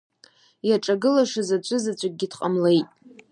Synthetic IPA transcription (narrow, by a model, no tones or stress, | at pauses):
jaʈ͡ʂʼaɡɨlaʂɨzat͡ɕʷʰʼɨzat͡ɕʷʰʼak̚ɡʲɪdqʼamle̞jtʼ